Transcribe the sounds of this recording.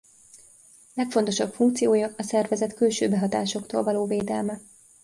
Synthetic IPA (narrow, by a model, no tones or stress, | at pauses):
lɛkfo̞n̪t̪o̞ʃɒpfuŋkt̪sijoːjɒɒsɛrvɛzɛt̪kylʃø̰ːbɛɦɒt̪aːʃo̞kt̪o̰ːlvɒloːveːd̪ɛlmɛ